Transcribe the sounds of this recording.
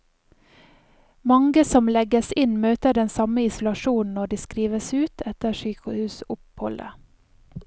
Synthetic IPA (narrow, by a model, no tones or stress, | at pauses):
mɑŋɡəsɔmlɛɡəsɪnmøːt̪əɖɛnsɑməɪsʊlɑʃuːn̩ɔɖiːskɾiːʋəsʉːt̪ʰɛt̪əʃyːkəhʉːsʊphɔlʔə̰